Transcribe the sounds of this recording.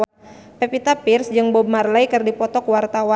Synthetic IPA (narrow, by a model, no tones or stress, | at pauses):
pɛpit̪apirsd͡ʒɨŋbɔb̚marlajkɨrdipɔt̪ɔkwart̪awa